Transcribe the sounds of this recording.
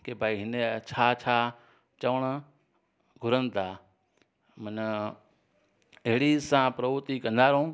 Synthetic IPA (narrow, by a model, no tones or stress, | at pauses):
kebʱaːiɦɪnet͡ʃʰat͡ʃʰa | t͡ʃɐʋəɳ | ɡʱʊɾənt̪a | mən | eɦɽisãːpɾɐʋut̪ikɐ̃nd̪aːɾõː